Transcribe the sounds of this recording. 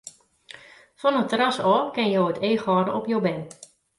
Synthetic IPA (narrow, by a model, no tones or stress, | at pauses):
fɔnətərasɔːkɪnjoːəteːxɔːɾəɔpjowbɛn